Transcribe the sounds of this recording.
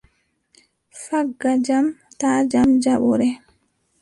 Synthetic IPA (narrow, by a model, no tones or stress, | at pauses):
faɡːad͡ʒam | taːd͡ʒamd͡ʒaɓɔɾɛ